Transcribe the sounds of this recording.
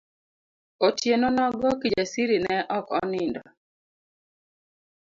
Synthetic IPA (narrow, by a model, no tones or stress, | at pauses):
otjenɔnɔɡɔkid͡ʒasiɾinɛʔɔkɔ̰nɪndɔ̰